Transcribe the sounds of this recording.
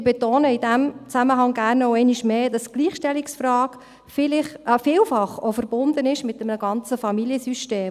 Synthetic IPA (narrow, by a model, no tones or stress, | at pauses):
bɛtoːnəɪdæmt͡sæməɦɑŋɡæːɾnoʊɛɪniʃmeːd̥ɑsɡ̥liːχʃtɛliksfɾɑːɡ | fɪlɪχfiːlfɑχofəɾb̥ʊnd̥̪ənɪʃmɪtːɛmənəɡɑnt͡səfɑmiljəsyʃteː